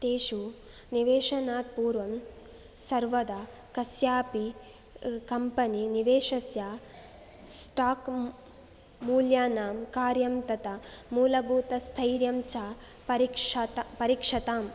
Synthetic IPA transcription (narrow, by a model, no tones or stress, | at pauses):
t̪eːʃu | niʋeːʂɐnaːt̪̚puːɾʋɐm | sɐɾʋɐd̪ɐ | kɐsjaːpi | kɐmpɐniniʋeːʂɐsjaː | sʈaːk | muːljaːnaːmkaːɾjɐmt̪ɐt̪ɐmuːlɐbʱuːt̪ɐst̪ʰɐjɾjɐmt͡ʃaː | ɐɾikʂpɐɾiːkʂɐt̪aːm